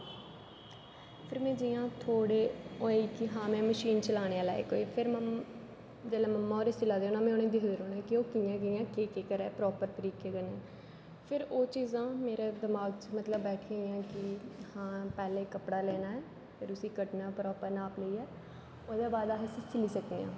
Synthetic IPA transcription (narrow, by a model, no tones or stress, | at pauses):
pʰɪɾmɛ̃ːd͡ʒɪjãːt̪ʰoːɽeːoːiːkɪɦãːmɛ̃ːməʃiːnt͡ʃəlaːɽ̃eːãːla̰ːḛːkoːiːpʰɪɾm | d͡ʒɛːlɛːməmːaːoːɾeːsɪlaːd̪eoːnãːmɛ̃ːoːnẽːd̪ɪkd̪eːɾoːnɛːkɪoːkɪãːɡɪjãːkeːkeːkəɾɛːpɾɔːpəɾpəɾiːkeːɡənɛː | pʰɪɾoːt͡ʃiːzãːmeːɾeːd̪ɪmaːɡt͡ʃmət̪ləbːɛːʈʰeɪjãːkɪhãːpɛːleːkəpɽaːlɛːnaːɛː | pʰɪɾʊsĩːkəʈnaːpɾɔːpəɾnaːpləiːɛː | oːd̪eːbaːd̪aːɦəsĩːt͡ʃɪliːsəkd̪eːã̰ː